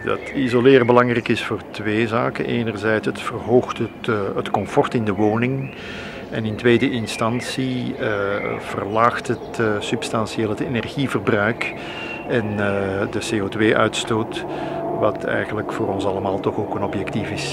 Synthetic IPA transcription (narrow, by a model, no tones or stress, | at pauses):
dɑ̰tizolɪːrbəlɑŋrɛjkɪsfʊːrtʋeːzaːkənʔeːnərzɛjtsətfərɦoːxtətətkɔmfɔrtɪndəʋoːnɪŋ | ɛnɪntʋeːdəʔɪnstɑnsiəv̥ərlaːxtɦətsɵpstɑnsieːlˠɦətenɛrɣivərbrœɥk | ɛndəseːoːtʋeːʔœɥtstoːt | ʋɑtɛ̰jɣənləkfʊːɾɔnsɑləmaːlˠtɔxoːkənɔpjɛktifɪs